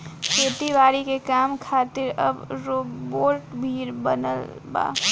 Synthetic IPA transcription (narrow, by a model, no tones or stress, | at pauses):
keːt̪iʋaːɾikekaːmkʰaːt̪ɪɾɐ̰bɾoːboːɾʈbʱiːɾbɐnə̰lba̰ː